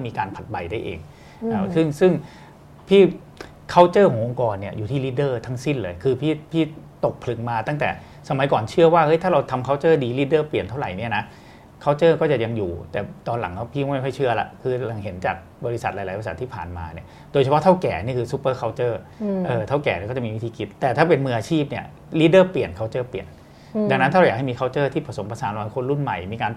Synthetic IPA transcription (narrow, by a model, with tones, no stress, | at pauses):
kɔː˥˩miː˧kaː˧npʰa˨˩t̪̚ba˧jda˥˩jʔḛː˧ŋ | ʔaː˧˩sɯ˥˩ŋsɯ˥˩ŋ | pʰiː˥˩ | kʰa˥˩wt͡ɕɤː˥˩kʰɔ˨˩˦ŋʔo˧ŋkɔː˧nːi˥˩ɐjuː˨˩t̪ʰiː˥˩liː˦˥dɤː˥˩t̪ʰa˦˥ŋsi˥˩nlɤː˧jkʰɯː˧pʰiː˥˩pʰiː˥˩t̪o˨˩k̚pʰlɯ˨˩˦ŋmaː˧t̪a˥˩ŋt̪ɛ̰ː˨˩ | sa˦ma˨˦jkɔː˨˩nt͡ɕʰɯ˥˩ɐwaː˥˩hɤ˦˥jt̪ʰaː˥˩ɾa˧wt̪ʰa˧mkʰa˦˥˩wt͡ɕɤː˥˩diː˧liː˦˥dɤː˥˩pli˨˩ənt̪ʰa˥˩wɾa˨˩jni˥˩ɐna˦˥ | kʰaː˦˥˩wt͡ɕɤː˥˩kɔː˥˩t͡ɕa˨˩ja˧ŋjuː˨˩t̪ɛː˨˩t̪ɔː˧nla̰˨˩˦ŋkɔ˥˩pʰiː˥˩m˦˥m˥jmɔ˥˩jt͡ɕʰɯ˥˩ɐla̰˨˦kʰɯː˧˩la˧ŋɦe˩˦nt͡ɕaː˨˩k̚ | bɔ˧ɾi˦˥sa˨˩t̪̚la˧˦jla˨˦pːsa̰˨˩t̪ʰːiː˥˩pʰa̰ː˨˩nma̰ː˧ni˥˩ɐ | doː˧t͡ɕʰa˧ɔ˦˥t̪ʰa˥˩wkɛː˨˩ni˥˩kʰɯː˧su˧˦˥pːɤː˥˩kʰa˦˥wt͡ɕɤː˥˩ʔɤː˨˩t̪ʰa˥˩wkɛ̰ː˨˩ni˥˩kɔː˥˩t͡ɕa˨˩miː˧wi˦˥t̪ʰiː˧ki˨˦˩t̪ːɛː˨˩t̪ʰaː˥˩p̬e˧nmɯː˧ʔaː˧t͡ɕʰiː˥˩p̚ni˥˩ɐ | liː˦˥dɤː˥˩pli˨˩ənkʰa˦˥˩wt͡ɕɤː˥˩plḭ˨˩ən | da˧ŋn˦˥t̪ʰaː˥˩ɾja˨˩ha˥˩miː˧a˦˥˩t͡ɕɤː˥˩t̪ʰiː˥˩pʰa˧so˩˦mpa˧saː˨˦nla˧wa˧˦kʰo˧nɾu˥˩nma̰˨˩jmiː˧kaː˧n